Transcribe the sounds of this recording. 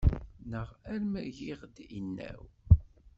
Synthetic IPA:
nəʁæɾmæʝiʁd̪inːæ̰w

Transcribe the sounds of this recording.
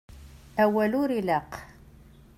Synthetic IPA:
æwæluɾilæq

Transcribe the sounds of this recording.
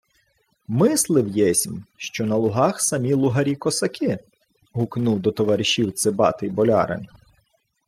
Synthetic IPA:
mɪslˠɪwjɛsʲmʃt͡ʃɔnɐlˠʊɦɑxsɐmʲilˠʊɦɐɾʲikɔsɐkʲɪ | ɦʊknuwd̪ɔt̪ɔʋɐɾʲɪʃʲiwt̪sɪbɑ̰t̪ɪjbɔlʲɑ̰ɾɐ̰n

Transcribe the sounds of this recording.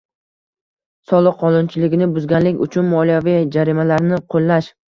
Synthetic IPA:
sɒlˠɨqʰːɒnʊnt͡ʃʰɪlɪɡʲɪnɪbʊzɡʲanlɪkʲʊ̰t͡ʃʰʊnmɒlijavid͡ʒaɾimalaɾnɪqʰolˠːaʃ

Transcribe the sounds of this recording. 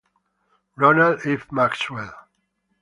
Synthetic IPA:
ɹɔnaldifmakswɛl

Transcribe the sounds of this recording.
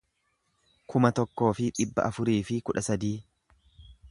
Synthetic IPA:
kʰʊmɐt̪ɔkːo̞ːfɪᶑɪbːɐ̰ʔɐfʊɾiːfɪkʊᶑɐsɐd̪iː

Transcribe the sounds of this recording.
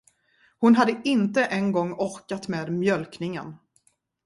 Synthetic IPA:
hʊnɦad̪ːəʔɪnt̪əʔɛnɡɔŋːɔɾkat̪meːd̪mjœlknɪŋə̰n

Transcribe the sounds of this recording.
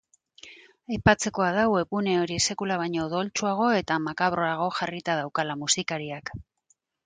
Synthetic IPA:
ajpat͡se̞ko̞að̞awe̞pune̞o̞ɾise̞kulaβ̞ajɲo̞ðo̞lt͡ʃuaɣ̞o̞e̞t̪amakaβɾo̞aɣ̞o̞xarit̪að̞awkalamusikaɾiak

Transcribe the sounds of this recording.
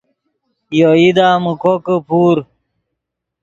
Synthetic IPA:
joid̪aːmukokəpʰuːɾ

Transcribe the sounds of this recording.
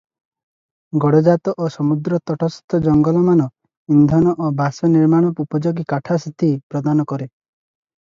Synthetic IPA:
ɡɔɽɔd͡ʒat̪ɔʔosɔmud̪ɾɔt̪ɔʈʰɔst̪ʰɔd͡ʒɔŋɡɔlɔmanɔ | ind̪ʱɔnɔʔobasɔniɾmaɽ̃ɔpupɔd͡ʒoɡikaʈʰasit̪ipɾɔd̪anɔkɔɾe

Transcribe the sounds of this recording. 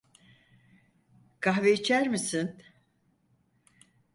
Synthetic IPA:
kʰaɦveit͡ʃʰæɾmisin

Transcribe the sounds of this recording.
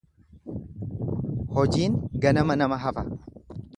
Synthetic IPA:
hɔd͡ʒiːŋɡɐnɐmɐnɐmɐɦɐfɐ

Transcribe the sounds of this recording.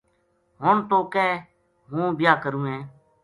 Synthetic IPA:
ɦoːɳt̪oːkɛː | ɦũːbɪjaːkəɾũːɦẽː

